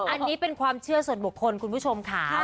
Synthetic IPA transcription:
ʔa˧nnːiː˦˥pe˧nkʰwaː˧mt͡ɕʰɯ˥˩ɐsu˨˩ənbu˨˩kʰːo˧nkʰu˧npʰu˦˥t͡ɕʰo˧mkʰa˦˥

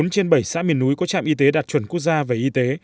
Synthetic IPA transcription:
nt͡ɕe˧nɓə˧˩jsa̰ː˧˥mi˨˩ənːu˨˦jkɔ˨˦t͡ɕa̰ː˧˨mʔi˧t̪e˨˦ɗaː˨˩t̚t͡ɕwə˧˩nku˦˥ək̚zaː˧ve˨˩ʔi˧t̪e˨˦

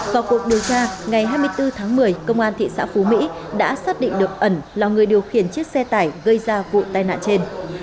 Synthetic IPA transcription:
vaː˨˩wku˨˩ək̚ɗi˨˩əwt͡ɕaː˧ŋa˨˩jɦaː˧jmɨ˧əjt̪ɨ˧t̪ʰaː˨˦ŋmɨ˨˩əjkə˧wŋ͡mʔaː˧nt̪ʰḭ˧˨sa̰ː˧˥fu˨˦mḭ˧˥ɗa̰ː˧˥saː˦˥t̚ɗḭ˧˨ŋɗɨ˨˩ək̚ʔə˧˩nlaː˨˩ŋɨ˨˩əjɗi˨˩əwxi˨˩ənt͡ɕi˦˥ək̚sɛ˧t̪aː˧˩jɣə˧jzaː˧vṵ˧˨t̪aː˧jna̰ː˧˨nt͡ɕe˧n

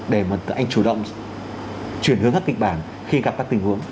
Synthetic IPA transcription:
ɗe˧˩maː˨˩˨ʔa˧jŋ̟t͡ɕu˧˩ɗə̰˧˨wŋ͡m | t͡ɕwi˧˩ənhɨ˧˦əŋkaː˦˥ki˨k̟̚ɓaː˧˩n | xi˧ɣa˨˩p̚kaː˦˥k̚t̪i˨˩ŋ̟hu˨˦əŋ

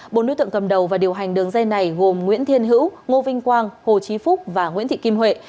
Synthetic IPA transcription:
ɓo̰˨no̰˧˥jt̪ɨ̰˧˨ŋkə˨˩m̚ɗə˨˩wvaː˨˩ɗi˨˩əwɦa˨˩jŋ̟ɗɨ˨˩əŋza˧jna˨˩jɣo˨˩mŋwḭ˧˥ənt̪ʰi˧ənɦɨ̰˧˥wŋo˧vï˧ŋ̟kwaː˧ŋho˨˩t͡ɕi˨˦fʊ˦˥k͡p̚vaː˨˩ŋwi˧˥nt̪ʰḭ˧˨ki˧mɦwḛ˧˨

